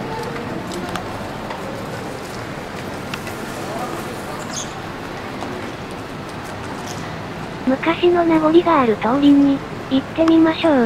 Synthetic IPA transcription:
mɯ̟kaɕino̞naɡo̞ɾʲiɡaːɾɯ̟t̪aoɾʲiɲ̟iː | t̪ːe̞mʲimaɕo̞ː

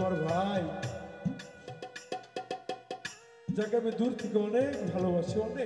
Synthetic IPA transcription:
aɾbʱaj | d͡ʒakabed̪uɾt̪ʰikeɔnek̚bʱalobaʃʰeɔne

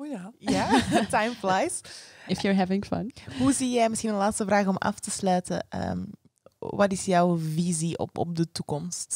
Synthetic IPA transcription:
ojajatajmflajsɪfjəɹɦɛvɪ̃ŋfʌ̰̃nɦuzijɛjmɪsxinənlaːtstəvraːxɔmʔɑ̰ftəslœːtəʔə̰m | ʋɑtɪsjɔwviziɔ̰pɔ̰p̚dətukɔmst

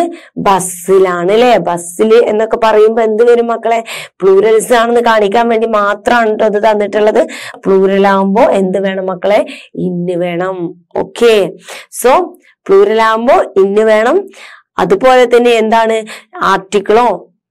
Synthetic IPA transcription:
bɐsilaːɳile̞bɐsile̞nːokːe̞pɐrɐjumboːe̞nd̪ɨʋɐɾumːɐkːɐɭe̞pɭuːɾɐlisaːɳenːɨkaːɳik̬ʲːaːnʋe̞ːɳɖimaːt̪rɐmaːɳɨʈːoːɐðɨt̪ɐnːiʈːuɭːɐðɨpɭuːɾɐlaːʋumbo̞ːe̞nd̪ɨʋe̞ːɳɐmːɐkːɐɭe̞inːɨʋe̞ːɳɐm | o̰ːkʰːe̞soː | pɭuːɾɐlaːʋumbo̞ːinːɨʋe̞ːɳɐm | ɐ̰ðɨpo̞ːle̞t̪ːɐnːeːnd̪aːɳɨaːrʈːikʲːɐɭo̞ː

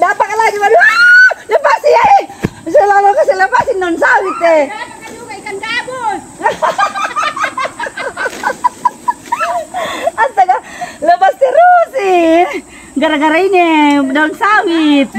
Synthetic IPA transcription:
dapakalad͡ʒibadualapasiaɛsɛlalokasilapasindaunsawit̪ːɛpakad͡ʒuɡaikanɡabɔs | ast̪aɡalopast̪iɾusi | ɡaɾaɡaɾainɛdaɔnsawit̪̚

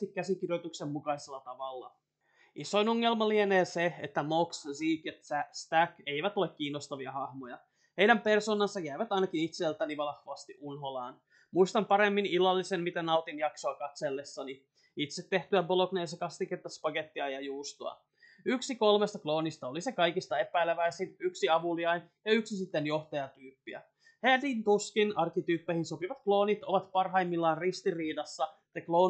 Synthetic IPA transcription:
t̪ikkæsik̟irjot̪uksemmukɑiselːɑt̪ɑʋɑlːɑ̰ | iso̞ino̞ŋːe̞lmɑlieneːseet̪ːæmokssiːkjɑæst̪æke̞iʋæt̪o̞lekkiːnːost̪ɑʋiɑhɑhmo̞jɑ | hejɾæmpe̞rso̞ːnɑnsːɑjæjʋæt̪ɑjnɑkinit̪selt̪æniʋɑlɑhʋoɑst̪iʔunɦo̞lɑːn | muist̪ɑmpɑɾe̞mːinilɑlːisemmit̪ænɑuwt̪injɑksoɑkɑt̪selːesːɑni | it̪set̪ːe̞ht̪yæboloknejsekɑst̪ikert̪ɑspɑɡet̪ːiɑjɑjuːst̪oɑ̰ | yksiko̞lmest̪ɑklo̞ːnist̪ɑolisekɑjkist̪ɑe̞pæjleʋæisinyksiɑʋuliɑjnjɑyksisit̪ːenjo̞ht̪ɑjɑt̪yːpːiæ̰ | hed̪int̪uskinɑrkit̪yːpːehinso̞piʋɑt̪klo̞ːnit̪oʋɑt̪pɑrɦɑimːilːɑːnrist̪iriːdɑsːɑ | t̪eklo̞ː

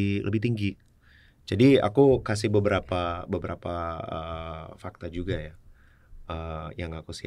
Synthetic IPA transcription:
lʔəbɪht̪iŋɡi | d͡ʒadia̰kukas̬ɪhbəbəɾapabəbəɾapaə̰fak̚t̪ad͡ʒuɡaja | əjaŋakusi

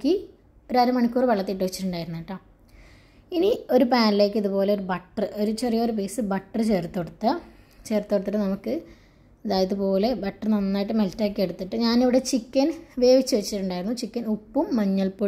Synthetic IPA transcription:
kːi | oɾaːɾɐmɐɳikʲːuːriʋɐɭːɐt̪ːiːʈ̬ːɨʋɐt͡ɕːiʈːuɳɖaːjiɾunːiiʈːaːm | inio̞ɾupaːnile̞ːkːɨiðupo̞ːleoɾubɐʈːrɨo̞ɾut͡ɕerijoːɾupeːsɨbɐʈːrɨt͡ɕeːrt̪ːoɽut̪ːɐt͡ɕe̞ːrt̪ːoɽt̪ːɐʈːɨnɐmukːɨ | ɐðaːjɐðɨpo̞ːle̞bɐʈːrɨnɐnːaːjiʈːɨmeltːaːkːeɽut̪ːiʈːɨɲaːniʋiɽe̞t͡ɕikʲːɐnʋe̞ːʋit͡ɕːɨʋɐt͡ɕːiʈːuɳɖaːjɾunːut͡ɕikʲːɐnupːumːɐɲːɐlpo

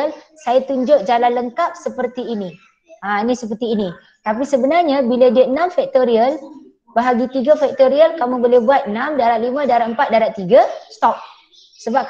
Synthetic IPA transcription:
əlsajat̪uɲd͡ʒʊʔ̚d͡ʒalanləŋkap̚səpərt̪iːnĩ | anĩsəpərt̪iːnĩ | t̪ap̬isəbənarɲãbilədiəənãmfɛk̚t̪oɾiəl | bəɦaɡit̪iɡafɛk̚t̪oɾiəlkamũbolehbuat̪̚ənãmdaɾaʔ̪̚limə̃daɾaʔəmpat̪̚daɾaʔt̪iɡast̪ɔp̚ | səbap̚

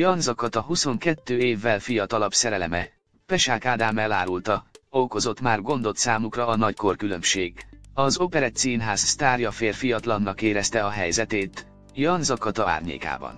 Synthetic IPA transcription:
jɒnzɒkɒt̪ɒɦuso̞ŋkɛt̪ːøːeːvːɛlfijɒt̪ɒlɒbsɛɾɛlɛmɛ | pɛʃaːkaːd̪aːmɛla̰ːɾult̪ɒoko̞zo̞t̪maːrɡo̞nd̪o̞t̪saːmukrɒːnɒcko̞rkylø̞mʃeːɡɒzo̞pɛɾɛt̪siːnɦaːzst̪aːrjɒfeːrfijɒt̪lɒnːɒkeːɾɛst̪ɛɒɦɛjzɛt̪eːt̪ | jɒnzɒkɒt̪ɒa̰ːrɲḛːka̰ːbɒ̰n

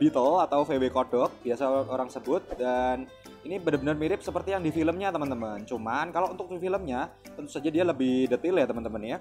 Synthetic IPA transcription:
b̥it̪əlat̪awfewekodɔk̚b̥iasaʔoɾaŋsəbʊt̪̚dan | inibənəbənərmiɾɪp̚səpərt̪ijaŋdifiləmɲat̪əmənt̪əmənt͡ʃumankalaʔunt̪ʊk̚difiləmɲa | t̪ənt̪u̥sad͡ʒadialəbɪdət̪ɪljat̪əmənt̪əmənja

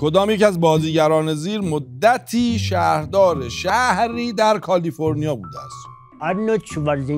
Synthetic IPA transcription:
kʰo̞d̪ɒːmjecæzbɒːziːɟæɾɒːne̞ziːɾmod̪ːæt̪ʰiːʃæɾd̪ɒːɾe̞ʃæhɾiːd̪æɾkʰɒliːfo̞ɾnijɒːbuːd̪ææst̪ | ɐɾnot͡ʃʰuʋaɾzi

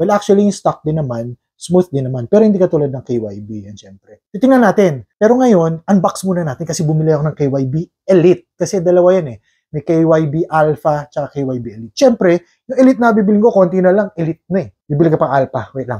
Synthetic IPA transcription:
wɛlʔak̚t͡ʃuɐlijʊŋst̪ak̚d̪ɪnːɐman | smuθd̪inɐmanpɛːɾohɪnd̪ikɐt̪uːlad̪̚ɐŋkejwa̰jbijɐnʃɛmpɾɛt̪it̪ɪŋnɐnaːt̪ɪnpɛːɾo̞ŋɐjo̞nʔɐŋbaksmuːnɐnaːt̪ɪnkɐsɛbʊmɪlɛjɐkonɐŋkejwajbiʔɛlɪt̪̚kɐsɛd̪ɐlɐwajanɛ | mɛjkejwajbiʔalfɐt͡ʃɐkakejwajbiʔɛlɪt̪̚ʃɛmpɾɛ | jʊŋɛlɪt̪̚nɐɐbibɪlɪŋko̞ko̞nt̪inɐlaŋʔɛlɪt̪̚nɐɛbibɪlɪŋkɐpɐŋʔalpɐwɛlɐ̰ŋ

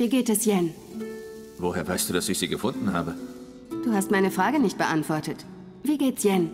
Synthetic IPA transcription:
viːɡeːtɛsjɛn | voheːɐvaɪstd̥uːdasɪçz̥iːɡəfʊndn̩ha̰ːbə | d̥uːhastmaɪnəfʁ̥aːɡənɪçt̚b̥əʔantv̥ɔɐtət | viːɡeːtsjɛn

